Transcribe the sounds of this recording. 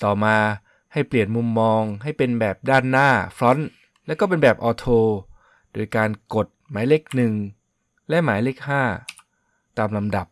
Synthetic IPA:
t̪ɔː˨˩maː˧ | ha˥˩jpli˨˩ənmu˧mːɔː˧ŋɦa˥˩jpe˧nbɛː˨˩p̚daː˥˩nːaː˥˩fʰɾɔ˦˥n | lɛ˦˥wkɔː˥˩pe˧nbɛː˨˩p̚ʔɔː˧t̪ʰoː˧ | d̥oː˧jkaː˧nko˨˩t̪̚maː˩˦jle˦˥˩k̚nɯ˨˩ŋ | lɛ˦˥maː˩˦jle˦˥˩k̚haː˥˩ | t̪aː˧mla˧mda˨˩p̚

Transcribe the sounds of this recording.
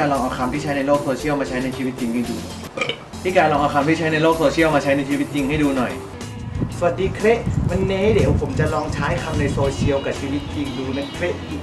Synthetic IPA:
aː˧nlɔː˧ŋʔa˧kʰa˧mt̪ʰiː˥˩t͡ɕʰa˦˥jna˧jloː˥˩k̚soː˧t͡ɕʰi˥əwmaː˧t͡ɕʰa˦˥jna˧jt͡ɕʰiː˧wi˦˥t̪̚t͡ɕi˧ŋha˥˩duː˧ | t̪ʰiː˥˩kaː˧nlɔː˧ŋʔa˧kʰa˧mt̪i˥˩t͡ɕʰa˦˥jna˧jloː˥˩k̚soː˧t͡ɕʰi˥˩əwmaː˧t͡ɕʰa˦˥jna˧jt͡ɕʰi˧wi˦˥t̪̚t͡ɕi˧ŋha˥˩jduː˧nɔ˨˩j | su˨˩a˨˩t̪̚diː˧kʰɾe˦˥ʔma˧nːeː˧˥de˨˩˦wpʰo˩˦mt͡ɕa˨˩lɔː˧ŋt͡ɕʰaː˦˥jkʰa˧mna˧jsoː˧t͡ɕʰi˧ə˧wka˨˩sʰiː˧wi˦˥t̪̚t͡ɕi˧ŋduː˧na˧jkʰle˦˥iː˨˩

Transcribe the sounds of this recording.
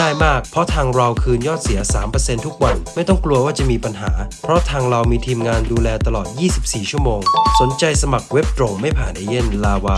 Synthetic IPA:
aː˥˩jmaː˥˩k̚pʰɔ˦˥t̪ʰaː˧ŋɾa˧wkʰɯː˧njɔː˥˩t̪̚si˨˩˦ɐsaː˩˦mpɤː˧se˧nt̪ʰu˦˥k̚wa˧nma˥˩jt̪ɔ˥˩ŋklu˧əwaː˥˩t͡ɕa˨˩ʔmiː˧pa˧nɦa̰ː˩˦pʰɾɔ˦˥t̪ʰaː˧ŋɾa˧wmiː˧t̪ʰiː˧mŋaː˧nduː˧lɛː˧t̪a˧lɔː˨˩t̪̚jiː˥˩si˨˩p̚siː˨˩t͡ɕʰu˥˩əmoː˧ŋso˨˩˦nt͡ɕa˧jsa˧ma˨˩k̚we˦˥p̚t̪ɾo˧ŋma˥˩jpʰaː˨˩na˧je˥˩nlaː˧waː˧

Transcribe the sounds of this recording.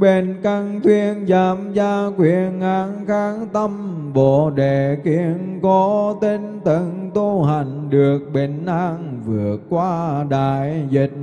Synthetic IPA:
ɓe˨˩nka˧ŋt̪ʰwi˧ənzaː˨˦mzaː˧kwi˧˨ənʔaː˨˦ŋxaː˨˦ŋt̪ə˧mɓo̰˧˨ɗe˧˨ki˧˥əənkɔ˨˦t̪e˧nt̪ə˧˩ŋt̪u˧ɦa˨˩jŋ̟ɗɨ˨˩ək̚ɓe˨˩nʔaː˧ŋvɨ˨˩ət̚kwaː˧ɗa̰ː˧˨˩jzi˨˩t̚

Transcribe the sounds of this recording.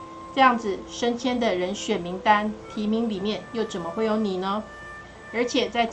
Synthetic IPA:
ʈ͡ʂɤ˥˧jɑ˥˩ŋd͡zɹ̩˨˩ʂə˥nt͡ɕʰjɛ˥nd̪ə˨ɻə˧˥nɕɥɛ˨˩nmi˧˥ŋt̪a˥nt̪ʰi˧˥mi˧˥ŋli˨˩mjɛ˥˨njo˥˩ʊt͡sə˨˩nmə˦xwe˥˩ɪjo˧˥ʊni˨˩nə˦ | ə˞˧˥t͡ɕʰjɛ˨˩t͡sa˥˧ɪ

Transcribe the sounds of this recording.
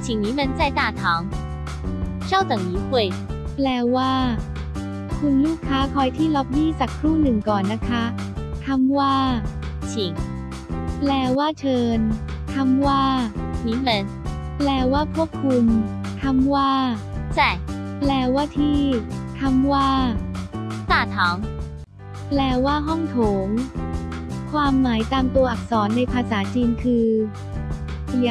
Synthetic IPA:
t͡ɕʰi˨˩ŋniː˨˦˥mə˧nt͡sa˥˩jt̪aː˥˩t̪ʰɔː˩˦ŋ | ɕa˥˩wt̪ɤ˨˩ŋniː˨˦kwe˧˩j | plɛː˧waː˥˩ | kʰu˧nluː˥˩kʰːaː˦˥kʰɔ˧jt̪ʰiː˥˩lɔ˦˥p̚niː˥˩t͡ɕa˨˩kʰːɾuː˥˩nɯ˨˩ŋkɔː˨˩nːa˦˥kʰa˦˥ | t̪ʰa˧˥mwaː˥˩ | t͡ɕʰi˨˩˦ŋ | plɛː˧waː˥˩t͡ɕʰɤː˧n | t̪ʰa˧˥mwaː˥˩niː˨˥mə˧n | plɛː˧˩waː˥˩kʰu˥˩əp̚kʰːu˧m | t̪ʰa˧mwaː˥˩ | sɛ˧˩plɛː˧˩waː˥˩t̪ʰiː˥˩t̪ʰa˧mwaː˥˩ | t̪aː˥˩t̪ʰɔː˩˦ŋ | plɛː˧˩waː˥˩ɦɔ˥˩ŋt̪ʰoː˩˦ŋ | kʰwaː˧mːaː˩˦jt̪aː˧mt̪u˧ɐʔa˨˩k̚sɔː˩˦nːa˧jpʰaː˧saː˩˦t͡ɕiː˧nkʰɯː˧ | i˨˦

